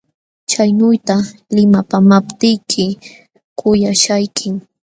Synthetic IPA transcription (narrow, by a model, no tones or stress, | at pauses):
t͡ʃajnʊjt̪alɪmapamapt̪ɪjkʰɪ | kʊjaʃajkʰɪŋ